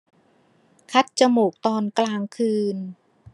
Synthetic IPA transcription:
kʰa˦˥t̪̚t͡ɕa˧moː˨˩k̚t̪ɔː˧nklaː˧ŋkʰɯː˧n

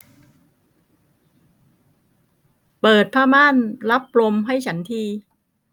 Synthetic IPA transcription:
pɤː˨˩t̪̚pʰaː˥˩maː˥˨nla˦˥p̚ːlo˧mɦa˥˩jt͡ɕʰa˦˥nt̪ʰiː˧

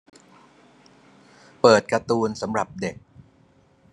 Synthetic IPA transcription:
pɤː˨˩t̪̚ka˧t̪uː˧nsa˩˦mɾa˨˩p̚de˨˩k̚

